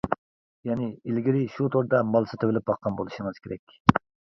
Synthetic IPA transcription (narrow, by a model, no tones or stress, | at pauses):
jɛnɪilɡʲiɾɪʃut̪ʰoɾd̪ɑmɑlˠsɨt̪ʰevɪlɪp̚bɑqʰːɑnbolˠuʃəŋɨz̥kʲeɾɛkʲ